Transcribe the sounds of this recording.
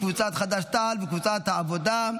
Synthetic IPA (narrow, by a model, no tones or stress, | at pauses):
kvut͡sat̪χad̪aʃt̪albekvut͡sat̪aavod̪a